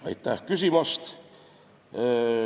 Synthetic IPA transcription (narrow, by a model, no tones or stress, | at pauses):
ɑ̰jt̪ːæhkysimɑst̪